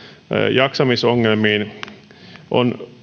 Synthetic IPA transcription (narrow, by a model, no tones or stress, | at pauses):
jɑksɑmisoŋːelmiːn | ʔo̰n